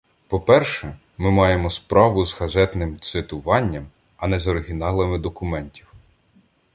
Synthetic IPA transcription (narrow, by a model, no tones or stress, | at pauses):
pɔpɛrʃɛ | mɪmɑjemɔspɾɑʋʊzɣɐzɛt̪nɪmt̪sɪt̪ʊʋɑnʲːɐm | ɐnɛzɔɾɪɦʲinɑlˠɪmɪd̪ɔkʊmɛnʲtʲiw